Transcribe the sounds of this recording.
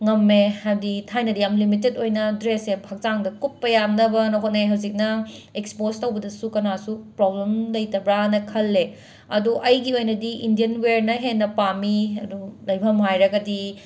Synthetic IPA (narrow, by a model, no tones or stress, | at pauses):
ŋɐmːehajditʰajnɐdiɐmlimitetojnɐdɾesepʰak̚t͡ʃaŋdɐkupːɐjamnɐbɐnoɦot̚nɐjɦɐwzik̚nɐekspostɐwbɐdɐsukɐnasupɾoblemlɐjtɐbɾanɐkʰɐlːe | ɐ̰duʔɐjɡiojnɐdiʔindijɐnweɾnɐɦenːɐpamiɐdulɐjbʰʱɐmɦajɾɐɡɐdi